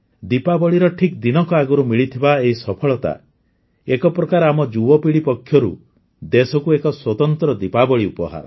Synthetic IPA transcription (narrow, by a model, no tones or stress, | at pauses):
d̪ipabɔɭiɾɔʈʰik̚d̪inɔkɔaɡɔɾumiɭit̪ʰibaeɦisɔpʰɔɭɔt̪a̰ | ekɔpɾɔkaɾɔamɔd͡ʒuwɔpiɭipɔkʰjɔɾṵ | d̪esɔkuekɔswɔt̪ɔnt̪ɾɔd̪ipabɔɭiupɔɦa̰ɾɔ̰